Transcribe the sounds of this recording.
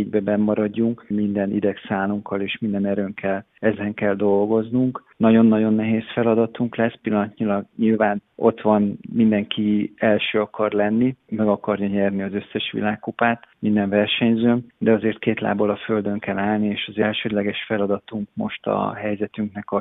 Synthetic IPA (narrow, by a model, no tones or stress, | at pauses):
ɟbɛbɛmːɒɾɒɟːuŋkmind̪ɛnid̪ɛksaːluŋkːɒleːʃmind̪ɛnɛɾøːŋkʰɛl | ɛzɛŋkɛld̪o̞lɡo̞znuŋknɒɟo̞nːɒɟo̞nːɛɦeːsfɛlɒd̪ɒt̪uŋklɛspilːɒnɒt̪ɲilɒɡɲilvaːnʔo̞t̪ʋɒnmind̪ɛŋkiɛlʃøːɒkɒrlɛnːimɛɡɒkɒrjɒɲɛrniɒzø̞sːɛʃʋḭlaːkːupaːt̪mind̪ɛɱvɛrʃɛɲzøːmd̪ɛɒzeːrt̪̚keːt̪la̰ːbolɒfø̞ld̪ø̞ŋkɛlaːlnieːʃɒzɛlʃøːd̪lɛɡɛʃfɛlɒd̪ɒt̪uŋkmo̞ʃt̪ɒ̰ɦɛjzɛt̪yŋknɛkɒ